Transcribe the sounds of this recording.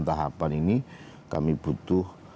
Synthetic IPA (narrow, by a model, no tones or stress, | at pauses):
nt̪aɦapanini | ka̰mib̥ṳt̪ʊh